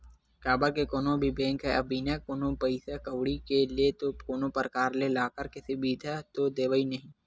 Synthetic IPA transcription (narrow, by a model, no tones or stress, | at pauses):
kaːbəɾkekoːnõbʱibɛ̃ːŋkɦɛʔɐbʱinɛkoːnõpɐɪsekɐʋɽikeliet̪okoːnopəɾəkaːɾlelaːkəɾkɪsibiːd̪ʱɛt̪od̪eːʋəinɐɦĩː